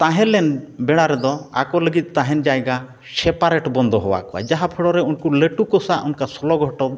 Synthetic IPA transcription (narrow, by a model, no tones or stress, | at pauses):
t̪aɦɛ̃lɛnbɛɽ̃aɾɛd̪ɔa̰kɔləɡit̪̚ˀt̪aɦɛnd͡ʒajɡa | sɛpaɾɛʈbɔnd̪ʱɔɦɔwa̰kɔwa̰d͡ʒaɦapʰɛɽɔɾɛunkuləʈukɔsaʔunkasɔlɔɡʱɔʈɔ